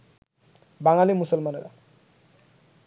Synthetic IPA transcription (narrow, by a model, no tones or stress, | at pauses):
baŋalimusʌlmaneɾa̰